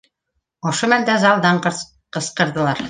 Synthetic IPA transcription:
ŏʃomænd̪æzɑlˠd̪ɑɴqɤ | qɤ̆sqɤ̆ɾd̪ɤ̆lˠɑɾ

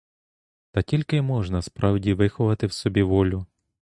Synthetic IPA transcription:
t̪ɐtʲilʲkɪmɔʒnɐspɾɑwdʲiʋɪxʊʋɐt̪ɪwsɔbʲiʋɔlʲʊ

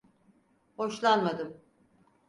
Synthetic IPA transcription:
ho̞ʃlˠanmad̪ɯm

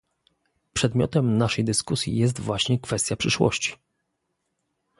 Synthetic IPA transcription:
pʂɛd̪mʲjɔ̰t̪ɛmnaʂɛjd̪ɘskusʲjḭjɛs̬t̪vwaɕɲɛkfɛst̪ʲjapʂɘʂwɔ̰ɕt͡ɕi̥

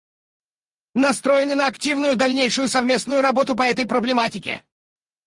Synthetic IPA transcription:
nɐst̪ɾojɪnɪnəɐktʲivnʊjʊd̪ɐlʲnʲejʂʊjʊsɐvmʲe̞snʊjʊɾɐbo̞t̪ʊpɐɛt̪əjpɾəblʲɪmatʲɪkʲɪ̰

